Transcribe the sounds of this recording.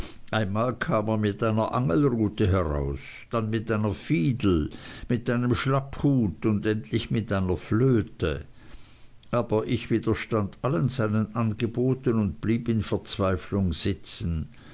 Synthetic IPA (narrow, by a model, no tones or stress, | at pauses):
ʔaɪnmaːlkʰaːmeːɐmɪtʔaɪnɐʔaŋəlʁuːtəɦɛʁa̰ʊs | d̥anmɪtʔaɪnɐfiːdl̩mɪtʔaɪnəmʃlaphuːtʊndɛntʰlɪçmɪtʔaɪnɐfløːtə̰ | ʔaːb̥ɐʔɪçv̥iːd̥ɐʃtandʔalənzaɪnənʔanɡəboːtənʊnt̚b̥liːpɪnfɛɐt͡sv̥aɪflʊŋz̥ɪt͡sən̩